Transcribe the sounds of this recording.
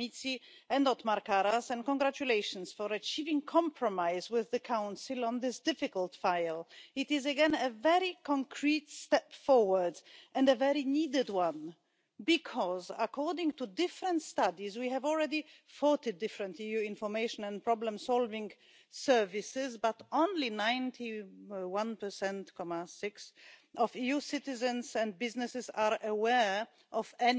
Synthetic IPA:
mitsi | ɛ̃ndɔt̪maɾkaɾasɛ̃nkɔ̃nɡɾat͡ʃuleɪʃə̃nsfɔɹət͡ʃivɪ̃ŋkʰɑ̃mpʰɹɔmaɪzwɪðːɨkʰãʊ̃nsɨlˠɔ̃nðɪsd̥ɪfɪkəlˠtfaɪlˠɪtɪzɨɡɛ̃nəvɛɹikʰɔ̃ŋkʰɹitstɛpfɔɹwə˞dʔɛ̃ndəvɛɹinidɨdwãn | bikʰɔzəkʰɔɹdɪ̃ŋtudɪfɹə̃ntstadizwihɛvɔlˠɹɛdi | fɔɹtidɪfɹə̃ntijuɪ̃nfɔ˞meɪʃɔ̃nɛ̃npɹɔblə̃msɔlvɪ̃ŋ | sɛ˞visɪzbatõʊ̃nlinãɪ̃ntʰiwãnpə˞sɛ̃ntkʰɔmasɪksʔɔvijusɪtɪzə̃nsɛ̃n̚bɪznɨsɨzaɹəwɛɹ | ʔɔvɛn

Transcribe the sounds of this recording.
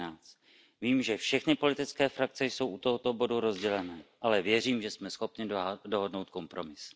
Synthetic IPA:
aːt͡st̪ | viːmʒɛfʃɛxnɪpo̞lɪt̪ɪt͡skɛːfɾak̚t͡sɛjso̞wʔut̪o̞ɦot̪o̞bo̞duɾo̞zɟɛlɛnɛːʔalɛvjɛriːmʒɛsmɛsxo̞pɲɪdo̞ɦo̞dno̞wt̪̚ko̞mpɾo̞mɪs

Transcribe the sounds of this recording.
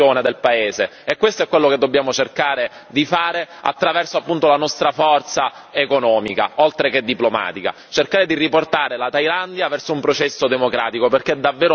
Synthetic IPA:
oːned̪elpaeːzeekwest̪oɛkːwelːoked̪ːobːjaːmot͡ʃerkaːɾe | d̪ifaːɾea̰t̪ːɾavɛrsoapːunt̪olanɔst̪ɾafɔrt̪saekonɔːmika̰olt̪ɾeked̪ːiploma̰ːt̪ika̰ | t͡ʃerkaːɾed̪iriport̪aːɾelat̪ajland̪javɛrsoumpɾot͡ʃɛsːod̪emokɾa̰ːt̪ikoperked̪avːeːɾo

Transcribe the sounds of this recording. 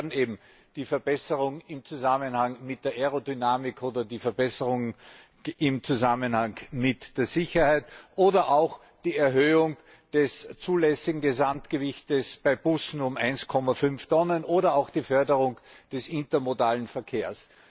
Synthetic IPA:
ɐdn̩eːbm̩ | d̥iːfɛɐbɛsəʁʊŋɪmt͡suzamənhaŋmɪt̚d̥eːɐʔɛʁodynaːmɪkoːdɐdiːfɛɐbɛsəʁʊŋ | ɪmt͡suzamənhaŋmɪtd̥eːɐzɪçɐhaɪtʔoːdɐʔaʊx | d̥iːɛɐɦøːʊŋ | d̥ɛst͡suːlɛsɪɡŋ̩ɡezamtɡ̥əvɪçtəsb̥aɪb̥ʊsn̩ʊmʔa̰ɪnskʰɔmɐfʏnftʰɔnənʔoːɾɐaʊxd̥iːfœɐdəʁʊŋd̥ɛsɪntɐmodaːlənfɛɐkʰeːɐs

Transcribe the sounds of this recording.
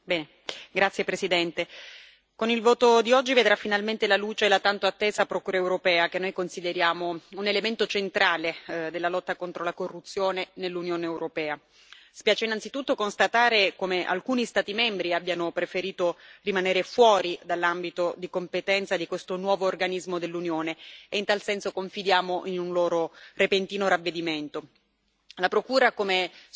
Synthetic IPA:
bɛːne | ɡɾat̪sːjepɾesid̪ɛnt̪e | konilvoːt̪od̪iɔd͡ʒːived̪ɾafːinalment̪elaluːt͡ʃelat̪ant̪oat̪ːeːzaːpɾokuːɾaewɾopɛːakenːojkonsid̪eɾjaːmounelement̪ot͡ʃent̪ɾaːled̪elːalɔt̪ːakont̪ɾolakorːut̪sːjoːnenelːunjoːneːwɾopɛːa | si̥pjaːt͡ʃeinːant̪sit̪ut̪ːokonst̪at̪aːɾekomeʔa̰lkuːnist̪aːt̪imɛmbɾiabjanopɾefeɾiːt̪orimaneːɾefwɔːɾid̪alːambit̪od̪ikompet̪ɛnt̪sad̪ikwest̪onwɔːvoːrɡanizmod̪elːunjoːneeint̪alsɛnsokoɱfid̪jaːmoʔinunloːɾorepent̪iːnoɾavːed̪iment̪o | lapɾokuːɾakome

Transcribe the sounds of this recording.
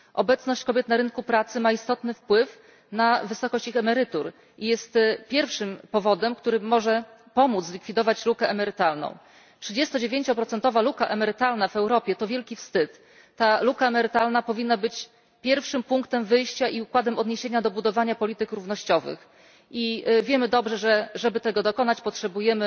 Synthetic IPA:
ʔɔbɛt̪snɔɕt͡ɕkɔbʲjɛt̪naɾɘnkupɾat̪sɘmaist̪ɔt̪nɘfpwɘf | navɘsɔkɔɕt͡ɕixɛmɛɾɘt̪uɾ | ijɛst̪pʲjɛɾfʂɘmpɔvɔd̪ɛmkt̪uɾɘmːɔʐɛ | pɔmud̪zlʲikfʲid̪ɔvat͡ɕlukɛʔɛmɛɾɘt̪alnɔ̰̃w̃ | tʂɘd͡ʑɛst̪ɔd͡ʑevʲjeɲt͡ɕɔpɾɔt̪sɛnt̪ɔvalukaʔɛmɛɾɘt̪alnavɛwɾɔpʲjɛt̪ɔvʲjɛlkʲifst̪ɘt̪ː | alukaɛmɛɾɘt̪alnapɔvʲinːabɘt͡ɕ | pʲjɛɾfʂɘmpuŋkt̪ɛmvɘjɕt͡ɕaʔiukwad̪ɛmɔd̪ɲeɕeɲad̪ɔbud̪ɔvaɲapɔlʲit̪ɘkɾuvnɔɕt͡ɕɔvɘ̰x | ʔivʲjɛmɘd̪ɔbʐɛʐɛʐɛbɘt̪ɛɡɔd̪ɔkɔnat͡ɕpɔtʂɛbujɛmɘ

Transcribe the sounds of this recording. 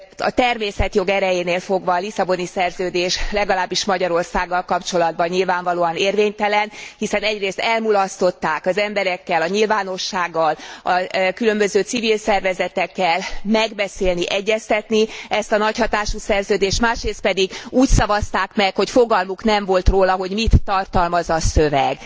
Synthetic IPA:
ɒ̰t̪ɛrmeːsɛt̪jo̞ɡɛɾɛjeːneːlfo̞ɡʋɒːlisɒbo̞nisɛrzøːd̪eːʃlɛɡɒlaːbːiʃmɒɟɒɾo̞rsaːɡːɒlkɒpt͡ʃo̞lɒd̪̚bɒɲɲilvaːɱvɒloːɒneːrveːɲt̪ɛlɛnhisɛnɛɟreːst̪ɛlmulɒst̪o̞t̪ːaːkɒzɛmbɛɾɛkːɛlɒɲilvaːno̞ʃːaːɡːɒlɒkylø̞mbøzøːt̪sivilsɛrvɛzɛt̪ɛkːɛlmɛɡbɛseːlniʔɛɟːɛst̪ɛt̪niɛst̪ɒnɒchɒt̪aːʃusɛrzøːd̪eːʃt̪maːʃreːst̪pɛd̪iɡuːcsɒvɒst̪aːkmɛkho̞cfo̞ɡɒlmuknɛɱvo̞lt̪roːlɒɦo̞ɟmit̪ːɒrt̪ɒlmɒzɒsøvɛɡ

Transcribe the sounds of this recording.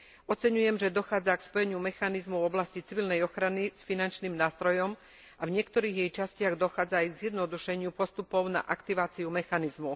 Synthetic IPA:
ɔt͡sɛɲujɛmʒɛd̪ɔxaːd͡zakspɔjɛɲɪumɛxanizmɔʊɔblascit͡siʋilnɛjɔxɾanisfinant͡ʃniːmnaːst̪ɾɔjɔm | avɲɪɛkt̪ɔɾiːɣjɛjt͡ʃascɪaɣd̪ɔxaːd͡zaːjɡzjɛd̪nɔd̪uʃɛɲɪupɔst̪upɔʊna̰ʔakt̪iʋaːt͡siumɛxanizmu

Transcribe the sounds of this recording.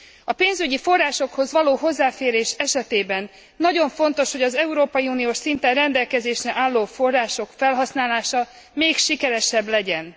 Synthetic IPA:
ɒpeːnzyɟifo̞rːaːʃo̞kho̞zʋɒloːɦo̞zːaːfeːɾeːʃɛʃɛt̪eːbɛnː | ɒɟo̞ɱfo̞nt̪o̞ʃhoɟɒzɛuɾoːpɒjiuːnioːʃsint̪ɛnrɛnd̪ɛlkɛzeːʃrɛʔaːlːoːfo̞rːaːʃo̞kfɛlɦɒsnaːlaːʃɒ | meːkʃikɛɾɛʃɛblɛɟɛn

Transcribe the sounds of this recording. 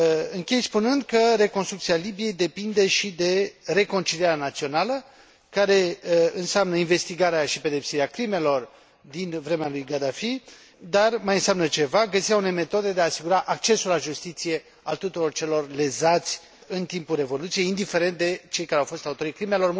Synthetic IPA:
ɨŋkʲe̞jspunɨnd̪kəɾe̞konst̪ɾukt̪sialibije̞jd̪e̞pind̪e̞ʃid̪e̞ɾe̞ko̞nt͡ʃiliaɾanat̪sio̞nalə | kaɾe̞ɨnseamnəinve̞st̪iɡaɾeaʃipe̞d̪e̞psiɾeakɾime̞lo̞r | d̪invɾe̞mealujɡad̪afi | d̪armajɨnseamnət͡ʃe̞vaɡəsiɾaunejme̞t̪o̞d̪e̞d̪e̞aːsiɡuɾaʔak̚t͡ʃe̞sulaʒust̪it̪sije̞ | a̰lt̪ut̪uɾo̞rt͡ʃe̞lo̞rle̞zat̪sʲ | ɨnt̪impulre̞vo̞lut̪sijejind̪ife̞ɾe̞nt̪̚d̪e̞t͡ʃe̞jkaɾeawfo̞st̪aut̪o̞ɾikɾimelo̞rm

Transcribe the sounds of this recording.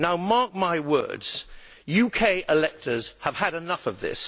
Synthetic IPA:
naʊmɑɹk̚maɪwɜ̰˞dz̥ | jʉkʰeɪʔɪlɛk̚tʰə˞z̥əv̥əɾɨnʌfʌvðɪ̰s

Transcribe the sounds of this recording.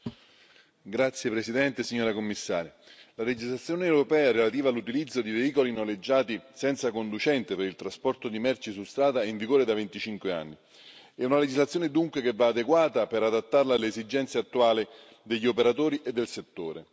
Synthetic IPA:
ɡɾat̪sːjepɾesid̪ɛnt̪esiɲːoːɾakomːisːa̰ːɾja | laled͡ʒizlat̪sjoːneɛwɾopɛːaɛɾelat̪iːvalːut̪ilid̪zːod̪iveiːkolinoled͡ʒːaːt̪isɛnt̪sakond̪ut͡ʃɛnt̪epeɾilt̪ɾaspɔrt̪od̪imɛrt͡ʃisust̪ɾaːd̪aiɱviɡoːɾed̪avent̪it͡ʃiŋkwea̰nːi | ɛunaled͡ʒizlat̪sːjoːned̪uŋkwekevːaːd̪eɡwaːt̪apeɾad̪at̪ːarlaːlːeːzid͡ʒɛnt̪seat̪ːuaːli | d̪eʎːiopeɾat̪oːɾiʔed̪ːelset̪ːoːɾe

